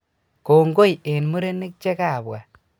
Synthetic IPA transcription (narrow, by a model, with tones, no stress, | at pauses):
ko˨ŋɡo˦je˨nmu˦ɾe˦ne˦k̚t͡ʃe˦ka˨bwa˨